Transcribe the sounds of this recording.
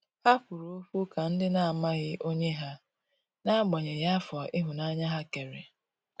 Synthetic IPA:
ha˦ɸʊ˨ɾo˦fu˦ka˨n̩˦dɪ˦na˨a˨ma˦ɣɪ˦ʔo˦ɲe˦ɦa˦ | na˦ɡ͡bɔ˨ɲe˨ja˦fɔ˨ɪ˦ɦʊ˨na˦ɲa˦ɦa˦ke˨ɾe˨

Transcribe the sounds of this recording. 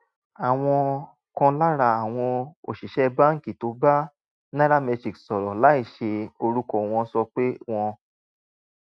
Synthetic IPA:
a˨w̃ɔ̃˧ | kɔ̃˧la˦ɾa˧a˨w̃ɔ̃˧o̰˨ʃi˨ʃɛ˦˧ba˦ŋ̩˦˨ki˨to˨˦ba˦ | nã˦ɾa˦mɛ˧d͡ʒi˨ksɔ˨ɾɔ˨la˨˦i˦˨ʃe˧o˧ɾu˦kɔ˦˨w̃ɔ̃˧˦sɔ˧k͡pe˦w̃ɔ̃˧

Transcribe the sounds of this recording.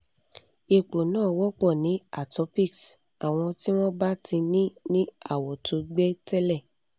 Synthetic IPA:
i˨k͡po˨nãː˦˨wɔ˦k͡pɔ̃˦˨nĩ˨˦a˦˨tɔ˨˧˦pi˦˨ks | a˨w̃ɔ̃˧ti˦w̃ɔ̃˦ba˦tĩ˧nĩ˦nĩ˦a˦˨wɔ˨tʰo˨˧ɡ͡be˦tɛ˦lɛ˦˨

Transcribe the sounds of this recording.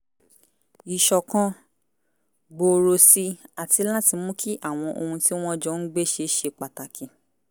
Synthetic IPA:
i˨ʃɔ˨kã˦ | ɡ͡bo˧ɾo˧si˧a˨ti˧˦la˦ti˨˧˦mũ˦ki˦ʔa˦˨w̃ɔ̃˧ʔo˧hũ˧ti˦w̃ɔ̃˦d͡ʒɔ˨˦n̩˦ɡ͡be˦ʃe˧ʃe˧k͡pa˨ta˨kʰĩ˨

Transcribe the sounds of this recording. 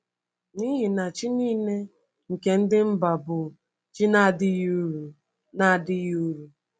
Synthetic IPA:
ni˦ɦɪ˨na˨t͡ʃi˦niː˦ne˦ | ŋ̩˨ke˨n̩˦dɪ˦m̩˦ba˨bʊ˨ | t͡ʃi˦na˦˨dɪ˦ju˦ɾu˨ | na˨dɪ˦ju˦ɾu˨

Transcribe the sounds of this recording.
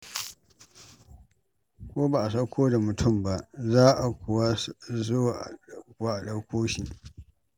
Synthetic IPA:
kʷoː˦ba˨ʔa˨sɐ˦kʷʰoː˦da˨mʊ˨tʰʊ˦˨mba˦ʔzaː˦ʔa˨kʷʊ˨wa˦zʊ˦wa˨ʔkʊ˨wa˦ʔa˨ɗɐ˦kʷoː˦ʃi˨

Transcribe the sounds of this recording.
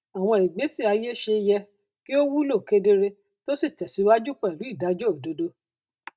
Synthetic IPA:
a˨w̃ɔ̃˧˨i˨ɡ͡be˨˦si˦˨a˧je˦ʃe˧jɛ˧ | ki˦o˦wu˦lo˦˨ke˦de˧ɾe˧ | to˦si˦˨t͡ʃɛ˨si˨˦wa˦d͡ʒu˦k͡pɛ˦˨lu˨˦i˦˨da˨˦d͡ʒɔ˦o˨do˨˦do˦

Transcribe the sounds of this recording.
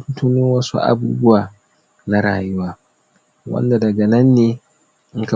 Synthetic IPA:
tu˦tu˦nɪ˦ŋwɐ˦sṵ˦ʔa̰˨buː˦bʊ˦waː˨ | na˦ɾaː˨jʊ˦waː˦ | wɐ̰˦nda˨dɐ˨ɡa˨nɐ˦nːeː˦ | ʔɪ˦ŋka˨

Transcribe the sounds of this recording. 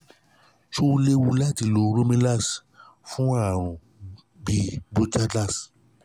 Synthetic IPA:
ʃo˦wu˦le˦wu˧la˦ti˨lo˨˦ɾo˦mĩ˦la˦˨s | fũ˦a˦˨ɾ̃ũ˨ | bi˧bo˦d͡ʒa˦t͡ɬa˦˨s

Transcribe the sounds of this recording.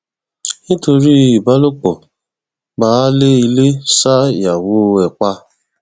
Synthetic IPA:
nĩ˦to˧ɾi˦i˨ba˦lo˦k͡pɔ˨ | ba˦le˦i˧le˦sa˦˨ja˨wo˦˧ɛ˨k͡pa˧

